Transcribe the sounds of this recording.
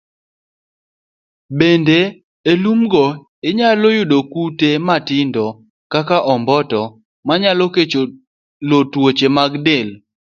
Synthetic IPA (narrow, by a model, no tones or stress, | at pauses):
bende | elumɡɔ | ɪɲalojʊdokutematɪndɔ | kakaʔɔmbɔtɔ | maɲaloket͡ʃo | lotwot͡ʃemaɡdɪl